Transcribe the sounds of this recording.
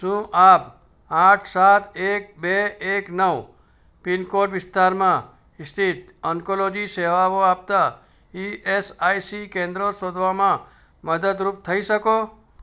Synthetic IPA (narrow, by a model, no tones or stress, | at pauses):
ʃũʔap | aʈʰsat̪ʰek̚beeknəʋ | pinkoʈʋɪst̪ʰaɾmã | ɪst̪ʰit̪əŋkolod͡ʒiseʋaʋoap̚t̪a | iʔesaisikẽnd̪ɾosod̪ʱʋamã | məd̪əd̪ɾup̚t̪ʰəiʃəko